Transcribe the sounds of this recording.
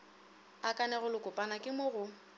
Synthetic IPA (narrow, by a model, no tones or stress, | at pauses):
akʼanɛɣʊlʊkʼʊpʼanakʼɪmoɣʊ